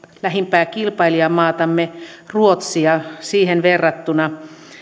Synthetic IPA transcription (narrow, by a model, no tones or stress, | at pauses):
læhimpæːkilpɑiliɑmɑːt̪ɑmːe | ruot̪siɑsiːhenʋerːɑt̪ːunɑ